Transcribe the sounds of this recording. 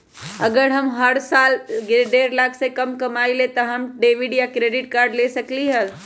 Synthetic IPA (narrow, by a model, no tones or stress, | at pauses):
əɡəɾɦəmɦəɾsaːlɡɾɖeɾlaksẽkəmkəmailet̪ɔɦəmɖeʋiɖjakɾeɖɪʈ̚kaɾɖlesəkliɦəl